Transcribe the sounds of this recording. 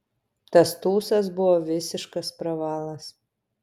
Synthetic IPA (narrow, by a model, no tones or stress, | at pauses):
t̪ɐst̪uːsɐs̬bʊʋoːʋʲɪsʲɪʃkɐspɾɐʋɑːlˠɐs